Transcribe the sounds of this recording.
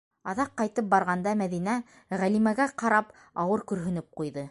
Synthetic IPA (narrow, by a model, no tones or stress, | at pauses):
ɑðɑqːɑjt̪ɤp̚bɑɾʁɑnd̪ɑmæðinæ | ʁælimæɡæqɑɾɑp | ɑwɤɾkɵ̆ɾɦɵ̆nɘp̚qujðɤ